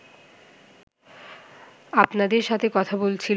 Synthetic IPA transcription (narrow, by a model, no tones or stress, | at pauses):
apnad̪eɾʃat̪ʰekɔt̪ʰabolt͡ɕʰil